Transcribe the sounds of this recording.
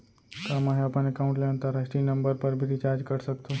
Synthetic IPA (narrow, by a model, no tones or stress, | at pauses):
kamaɦeapənekaũɳʈleãnt̪aɾasʈinəmbəɾpəɾbʱiɾit͡ʃaɾd͡ʒkəɾsəkt̪ʰũ